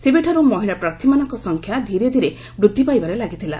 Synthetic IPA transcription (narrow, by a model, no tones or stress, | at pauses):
sebeʈʰaɾumɔɦiɭapɾaɾt̪ʰimanɔŋkɔsɔŋkʰjad̪ʱiɾed̪ʱiɾe | bɾud̪ʱːipajbaɾelaɡit̪ʰila̰